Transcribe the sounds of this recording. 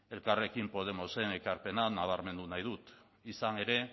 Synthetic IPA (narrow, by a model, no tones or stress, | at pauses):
e̞lkare̞kimpo̞ð̞e̞mo̞se̞ŋe̞kaɾpe̞nanaβ̞aɾme̞nd̪unajðut̪ | isaŋe̞ɾe̞